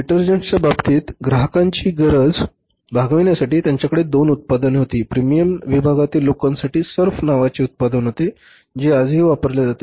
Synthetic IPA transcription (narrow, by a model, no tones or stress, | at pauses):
iʈəɾd͡ʑenst͡ɕjababt̪iːt̪ɡɾaɦəkãɲt͡ɕiːɡəɾəd͡z | bʱaɡʋinjasaʈiːt̪jaɲt͡ɕjakəɽed̪onut̪̚pad̪ənɦot̪iːpɾimijəmʋibʱaɡat̪iːlːokãnsaʈiːsəɾfnaʋat͡ɕiːut̪̚pad̪ənɦot̪e | d͡ʑeəd͡zʱɦiːʋapəɾljad͡zat̪e